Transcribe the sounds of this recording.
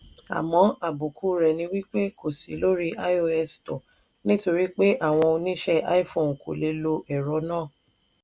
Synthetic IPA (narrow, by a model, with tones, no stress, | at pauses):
a̰˨mɔ̃˨˦a˨bu˨kʰu˨˦ɾɛ˨nĩ˧wi˦k͡pe˦ko˨sḭ˨˦lo˦ɾi˦ʔa˦i˦o˧ɛ˧stɔ˨ | nĩ˦to˧ɾi˦k͡pe˦ʔa˦˨w̃ɔ̃˧o˧nĩ˦ʃɛ˦ʔa̰˦i˦fõ˨ko̰˨le˨˧˦lo˧ʔɛ˨ɾɔ˨˦nãː˦˨